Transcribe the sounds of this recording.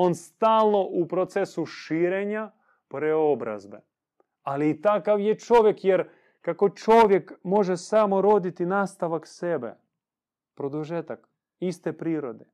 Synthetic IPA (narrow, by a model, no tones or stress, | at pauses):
onst̪aːlˠno̞ʔupɾot̪sesuʃiːɾeɲa | pɾeobɾa̰zbḛ | aliːt̪akaʋjet͡ʃo̞ʋjekjeɾ | kako̞t͡ʃoʋjekmo̞ʒesaːmo̞ɾod̪it̪inaːst̪aʋaksebḛ | pɾod̪uʒet̪ak | ist̪epɾiːɾod̪e